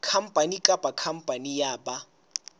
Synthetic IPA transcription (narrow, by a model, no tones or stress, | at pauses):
kʰam̩pʼanikʼabakʰam̩pʼanijaːba